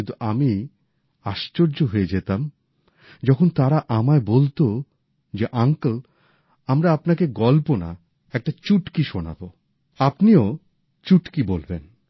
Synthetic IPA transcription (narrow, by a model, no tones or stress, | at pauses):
int̪uʔami | aʃt͡ɕoɾd͡ʑoɦoed͡ʑet̪am | d͡ʑɔkʰont̪aɾaʔamaebolt̪o | d͡ʑeʔaŋkl | amɾaapnakeɡɔlpona̰ | ɛk̚ʈat͡ɕuʈkiʃona̰bo | apnio | t͡ɕuʈkibolben